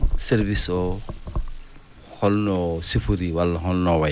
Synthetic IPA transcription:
seɾbisɔ | hɔlnɔsipʰuɾiwalːɔɦɔlnɔwaj

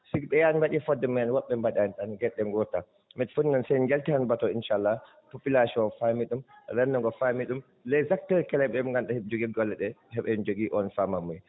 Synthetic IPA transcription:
sikɓɛjanmbaɗifɔdːɛmianwɔɓːɛmbaɗantanɡɛɗːɛŋɡɔta | mɛtfuninɔnsɛd͡ʒaltihanbatɔinʃaalːa | popilasiɔnfamiɗumɾɛnːɔŋɡɔfamiɗum | lɛjzak̚tɛɾkɛlɛɓɛumŋɡanɗahɛd͡ʒoɡiɡɔlːɛɗɛhɛɓɛnd͡ʒoɡiʔɔnfamamuj

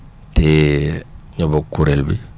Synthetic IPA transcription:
te | ɲɔbokuɾelbi

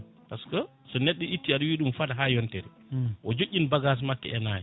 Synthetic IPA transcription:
paskɔ | sɔnɛɗːɛitːiaɗɔwiːɗumfadaɦaːjɔntɛɾɛ | ʔɔd͡ʒoʔʲːinbaɡas̬makːɛ̰ɛnaːjɛ

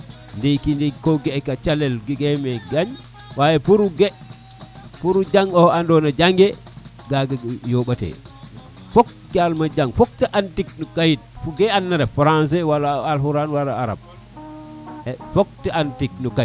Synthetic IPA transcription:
ndekindikɔɡɛkat͡ʃalɛlɡiɡɛmɛɡaɲ | wajɛpuɾuɡɛ | puɾud͡ʒaŋɔandɔnad͡ʒaŋɡɛ | ɡaɡjɔɓatɛ̰ | fok̚ | talmad͡ʒaŋfok̚tɛʔantiknɔkajit̚fuɡɛanːaɾɛfaɾans̬ɛwalaːlhuɾanwalaaɾa̰b̚ | ɛfok̚tɛantiknɔka

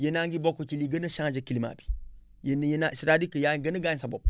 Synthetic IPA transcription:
jenaŋɡibokot͡ʃiliɡənɐʃãŋd͡ʒekilima̰ːbi̥ | jenjenasiɾadikəjaɡənəɡasabo̰b̚

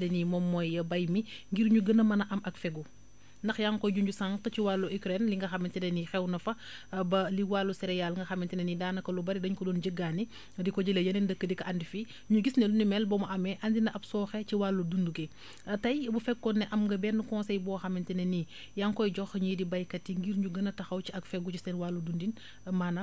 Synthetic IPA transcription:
lɛnimɔmːɔjɐbɐjmiŋɡiɾɲuɡənɐmɐnɐʔɐmɐkfɛɡu | ndɐxjaŋkɔjɟuɲɟusaŋkciwalːuʔikɾɛnliŋɡɐxɐmintɛnɛnixɛwnɐfɐ | bɐliwalːusɛɾɛjalŋɡɐxɐmintinɛnidaːnɐkɐlubɐɾidɐɲkɔdɔːnɟəɡːaːni | dikɔɟəlɐjɐnɛndəkːədikɐʔandifi | ɲuɡisnɛlunimɛlbɔmɐʔɐmɛʔɐndinɐʔɐpsɔːxɛciwalːudunduɡɛ | ɐtɐjbufɛkkɔnːɛʔɐmŋɡɐbɛnːukɔnsɛjbɔːxɐmintɛnɐni | jaŋkɔjd͡ʒɔxɲujdibɐjkɐtːiŋɡiɾɲɟuɡɐnɐtɐxɐwciɐkfɛɡucisɛnwalːudundin | manɐ

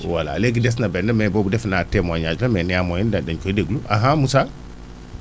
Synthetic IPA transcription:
wala̰leɡides̬nabenːamebobudefinatːemwaɲad͡ʒlamenijamojindadankodeɡuluʔaɦãmusa

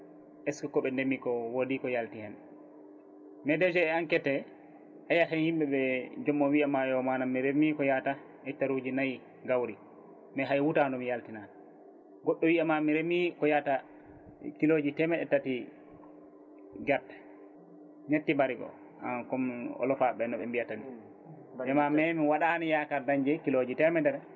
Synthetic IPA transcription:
ʔɛskɔkɔɓɛndemːikɔwodikɔjaltihɛn | mɛdɛd͡ʒɛɛaŋkɛtɛ | hajatanhimɓɛɓɛd͡ʒɔmːɔnwiamajɔmanamːiɾemːikɔjata | ɛtːaɾud͡ʒinaj | ɡawɾi | mɛɦajwutandɔmijaltinan | ɡɔɗːɔwiamamiɾemikɔjata | kilod͡ʒitɛmɛɗɛtːati | ɡaɾtḁ | ɲetːibaɾiɡɔ̰ | a̰kɔmɔ̰lɔfaɓɛnɔɓɛmbijatami | dɛmamɛmiwaɗanijakaɾdaɲd͡ʒɛkilod͡ʒitɛmɛdɛɾɛ

